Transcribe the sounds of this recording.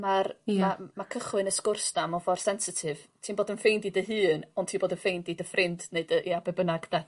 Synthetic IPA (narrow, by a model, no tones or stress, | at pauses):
marmamakʰəχwɨnəskʊrsd̥amɔfɔrsɛnsɪtʰɨvtʰiːnboːdənfejndidəɦɨːnɔntʰiːnboːdənfejndidəfrʔɪndneɨdəʔiabɛbənaɡd̥a